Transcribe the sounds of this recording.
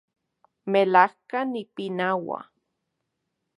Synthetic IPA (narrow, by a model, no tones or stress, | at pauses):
melahkanipinawa̰